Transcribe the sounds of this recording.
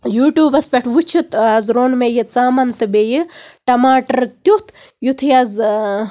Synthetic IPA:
juːʈjuːbɐspʲeʈʰʋut͡ʃʰit̪ɐzɾoːnmejit͡saːmɐnt̪ɨbejɨʈɐmaːʈɐɾt̪ut̪ʰ | jut̪ʰɨjɐz

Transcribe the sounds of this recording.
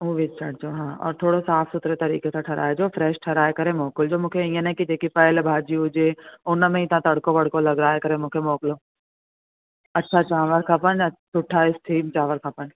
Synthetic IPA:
uːʋit͡ʃʰɐɽd͡ʒoːɦãːɔ̰ːɾt̪ʰoːɽosaːpʰsʊt̪ɾet̪ɐɾḭːkeseʈʰɐɾa̰ːed͡ʒoːfʰɾɛːʃʈʰɐɾaːekɐɾẽmɔːkʊld͡ʒoːmʊ̃kʰeĩjẽnɐkid͡ʒekipɐɪlbʱaːd͡ʒiʊd͡ʒeːoːnəmẽiɪt̪nãt̪ɐɽkõbɐɽ̤kõlɐɡɾaːekɐɾẽmʊkʰemoːkloː | ɐtːʃʰat͡ʃaːʋəɾkʰɐpənsʊʈʰːaːɪsʈʰiːmt͡ʃaːʋəɾkʰɐpən

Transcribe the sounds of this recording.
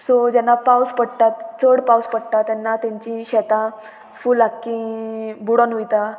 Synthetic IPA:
sod͡ʑɛnːapawspəɽt̪at̪t͡səɽpawspəɽt̪at̪ɛnːat̪jãɲt͡ɕĩɕɛt̪a | fulakːĩbuɽənujt̪a

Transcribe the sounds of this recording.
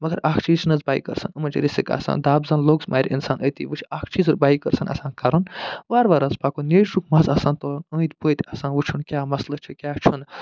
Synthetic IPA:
mɐɡɐɾaːkʰt͡ʃʰiːzt͡ʃʰnɐzbaːḭkə̰ɾsɐ̰nɨmɐnt͡ʃʰiɾisika̰ːsa̰ːnd̪aːbzɐnloːɡsmʔaːɾʲḭnsaːnʔət̪ḭːʋɨt͡ʃʰaːkʰt͡ʃʰiːzuɾbaːikəɾsɐnɐ̰sãːnkɐɾɐnʋaːɾʋaːɾɐzbaːkuneːʃɾukʰmɐzɐsãːnt̪oət̪ʲboːjt̪ɐsãːnʋut͡ʃʰunkʲaːmɐslɐt͡ʃʰikʲjaːt͡ʃʰun

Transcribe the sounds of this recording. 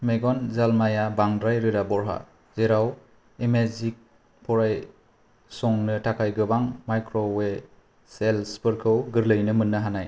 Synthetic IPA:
meɡɔnzalmajabaŋdɾajɾɯɾabɔɾɦa̰ | zeɾaw | emazik̚ | pʰɔɾaj | sɔŋnɯtʰakʰajɡɯbaŋmajkɾɔwe | selspɯɾkʰɯwɡɯɾlɯjnɯmɯnːɯɦanaj

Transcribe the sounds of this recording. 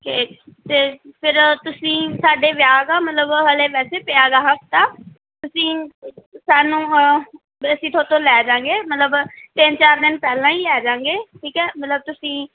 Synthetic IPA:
ket̪eːpʰɪɾt̪ʊsĩːsaːɖeːʋjaːɡaːmət̪ləbɦəleːʋɛːseːpɪaːɡaːɦəft̪aː | t̪ʊsĩːsaːnũː | əsĩːt̪ʰoːt̪õːlɛːd͡ʒãːŋɡeːmət̪ləbt̪ɪnt͡ʃaːɾd̪ɪnpɛːlãːiːlɛːd͡ʒãːŋɡeːʈʰiːkɛːmət̪ləb̚t̪ʊsĩː

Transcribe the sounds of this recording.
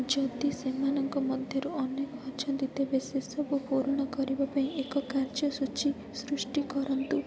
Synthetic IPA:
d͡ʒɔd̪isemanɔŋkɔmɔd̪ʱjɔɾuɔnekɔɦɔɾd͡ʒʰɔnd̪it̪ebesesɔbupuɾnɔkɔɾibapaĩekɔkaɾd͡ʒɔsut͡ʃi | sɾusʈikɔɾɔnt̪u

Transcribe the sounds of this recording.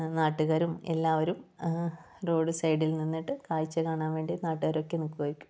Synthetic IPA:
naːʈːuɣɐɾume̞̰lːaːʋɐɾum | ro̞ːɖɨsɐjɖilninːiʈːɨkaːjit͡ɕːɨkaːɳaːnʋe̞ːɳɖinaːʈːuɣɐɾo̞kːe̞nokːuɣɐɾukʲːu̥m

